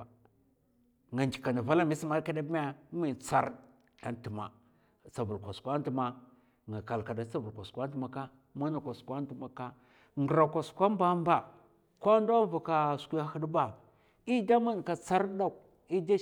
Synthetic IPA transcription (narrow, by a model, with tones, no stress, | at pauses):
ŋa˨nd͡ʒi˨ka˨nda˨va˦la˦mi˦si˦ma˦ɾka˦da˦bma˦mi˨t͡sa̰˦ɾ | a˨n˦ti˨ma̰˨ | t͡sa˨vu˨lkʷa˨skʷa˦n˦tma˨ | ŋɡa˨ka˨lka˨da˨t͡sa˦vu˨kʷa˨skʷa˦tma˨ka˦ | ma˦na˨kʷa˨skʷa˦n˦u˨ma˨ka˦ | ŋɡə˨ɾa˨kʷa˨skʷa˦m˦ba˦mba˨ | kʷa˦ndo˦va˨ka˦skʷu˦ja˦hi˦dba˦ | i˦da˦ma˦n˨ka˨t͡sa˦ɾda˦˨k̚ | i˦da˦